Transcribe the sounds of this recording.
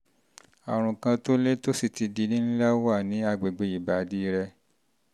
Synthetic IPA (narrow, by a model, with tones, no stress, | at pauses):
a˨ɾ̃ũ˨kã˧to˦le˦to˦si˦˨ti˧di˧nĩ˦n̩˦la˦wa˦˨nĩ˨˦a˧ɡ͡be˨ɡ͡be˧˨i˨ba˨di˨˦˧ɾɛ˧